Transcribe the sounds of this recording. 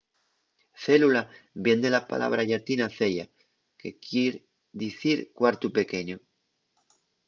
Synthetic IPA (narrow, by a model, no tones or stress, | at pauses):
θe̞lulabje̞nd̪elapa̰lʔa̰β̞ɾaʝaɾt̪inaθe̞ʎa̰ | ke̞kjeɾ | d̪iθiɾkwaɾt̪upe̞ke̞ɲo